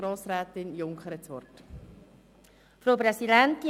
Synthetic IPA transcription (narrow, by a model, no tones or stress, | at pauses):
ɾoːsɾæːt̪ɪnjʊŋkχəɾət͡sʋɔ̰rt | fɾowpɾɛsidɛnt̪i